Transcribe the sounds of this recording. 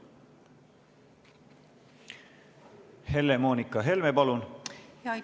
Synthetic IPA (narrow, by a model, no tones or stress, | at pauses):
he̞lːemo̞ːnikːɑɦe̞lmepɑlun